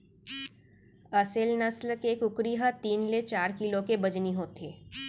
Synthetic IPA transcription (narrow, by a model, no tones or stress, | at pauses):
ɐsɪlnəsləkeːkʊkɾiɦət̪iːnlet͡ʃaːɾkɪlõkebɐd͡ʒniɦoːt̪eː